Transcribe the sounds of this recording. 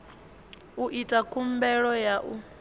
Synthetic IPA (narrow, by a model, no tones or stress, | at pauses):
uʔitʼakʰumbɛɺɔjaʔu